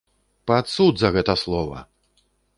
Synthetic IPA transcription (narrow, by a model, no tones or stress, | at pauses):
pat̪sud̪zɐɣɛt̪ɐslˠɔvɐ̰